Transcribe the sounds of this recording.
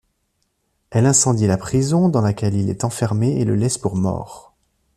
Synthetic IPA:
ɛlɛ̃sɑ̃d̪ilapχizɔ̃d̪ɑ̃lakʲɛlilɛ̰t̪ɑ̃fɛʁmeeləlɛspuʁmɔ̰ːʁ

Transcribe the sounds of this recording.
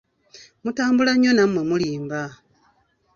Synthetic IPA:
mutaːmbulaɲonamwemuliːmba

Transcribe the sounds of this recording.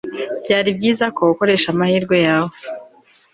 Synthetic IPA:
b̥ɟaːɾib̚ɟiːzako̞uko̞ɾe̞ʃamahiːɾɡwe̞jaːwo

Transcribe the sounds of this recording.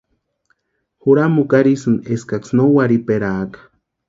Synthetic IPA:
xuɾamukaɾisɨneskaksnowaɾipeɾakḁ

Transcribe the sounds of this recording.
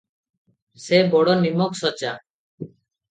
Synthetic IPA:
sebɔɽɔnimɔksɔt͡ʃa

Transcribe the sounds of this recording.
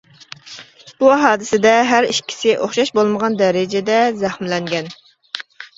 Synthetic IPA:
b̥uɦɑːd̪ɪsɪd̪ɛɦæɾiʃkʲʰi̥sɪʔoχʃɑʃbolˠməʁɑnd̪ɛɾɪd͡ʒɛd̪ɛzæχmlɛŋɡʲɛn

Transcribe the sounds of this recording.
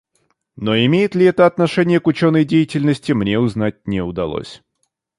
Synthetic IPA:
no̞ɪmʲejɪt̪lʲɪɛt̪əɐt̪nɐʂɛnʲɪjəkʊt͡ɕonːəjdʲejɪtʲɪlʲnəsʲtʲɪmnʲeʊzn̪at̚ʲnʲɪʊd̪ɐ̰lˠo̰sʲ

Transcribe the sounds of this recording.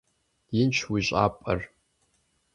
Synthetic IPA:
ɪnt͡ʃʰwiʒʷʼa̰pʼə̰r

